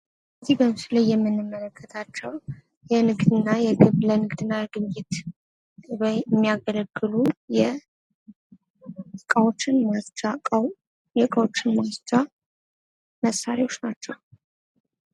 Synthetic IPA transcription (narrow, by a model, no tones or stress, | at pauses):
əziɡəmsɨləjːɛmːɨnːɨmːələkʰːət̪ʰat͡ʃːɛw | jɛnɨɡd̪ɨnːajɛɡɨβlənɨɡd̪ɨnːajɛɡɨβjɪt̪ | wəɛmːijaɡələɡːɨlujɛ | kʼawot͡ʃːɪnmast͡ʃakʼəw | jɛkʼawo̞t͡ʃːɪnmast͡ʃa | məsːaɾewo̞t͡ʃːnat͡ʃːɛw